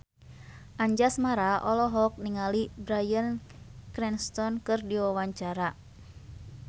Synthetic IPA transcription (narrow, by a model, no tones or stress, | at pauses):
ʔaɲd͡ʒasmaɾaʔɔlɔɦɔk̚niŋalibɾajənkɾɛnst̪ɔnkɨrdiwawaɲt͡ʃaɾa